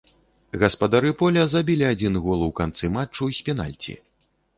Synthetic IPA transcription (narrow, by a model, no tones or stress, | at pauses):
ɣɐspɐd̪aɾɨpɔlʲɐzabʲilʲiad͡zʲinɣɔlˠwkant̪sɨmat͡ʂːusʲpʲina̰lʲt͡sʲḭ